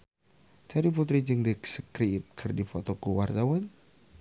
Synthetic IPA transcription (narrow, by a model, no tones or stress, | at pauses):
t̪ʰaɾiput̪̬ɾid͡ʒɨŋdiksəkɾip̚kʰɨrdifot̪okuwart̪awan